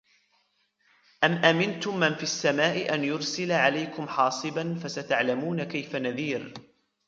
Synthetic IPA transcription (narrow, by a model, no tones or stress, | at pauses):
ʔamʔamɪnt̪ʊmːanfiasːamaːʔɪʔanjʊɾsɪlaʕalajkʊmħɑːsˤɨbanfasat̪aʕlamuːnakajfanaðiːɾ